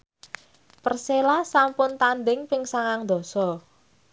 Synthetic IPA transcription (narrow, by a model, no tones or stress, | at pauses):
pərselasampʊnt̪anɖ̪ɪŋpɪŋsaŋaŋd̪ɔ̤sɔ